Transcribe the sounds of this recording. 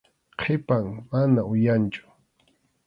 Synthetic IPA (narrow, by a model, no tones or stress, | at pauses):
qʰepaŋmanaʊjant͡ʃʊ̥